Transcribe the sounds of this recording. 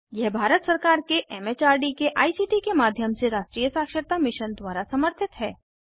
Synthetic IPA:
jɛɦbʱaɾət̪səɾkaɾkeʔɛmet͡ʃaɾɖikeʔaisiʈikemad̪ʱjəmseɾaʃʈɾijəsakʃəɾt̪amɪʃənd̪ʋaɾasəməɾt̪ʰɪt̪ɦɛ

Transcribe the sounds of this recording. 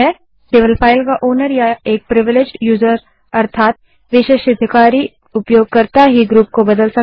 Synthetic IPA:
ɛ | sɪʋəlpʰaːɪlkaʔoːnəɾjaeːk̚pɾɪʋɪled͡ʒɖjuːzəɾ | ɐɾt̪ʰaːt̪̚ | ʋɪʃeʃɐd̪ʱɪkaːɾi | ʊpjoːɡ̚kɐɾt̪aɦiɡɾuːp̚kobɐd̪əlsɐk

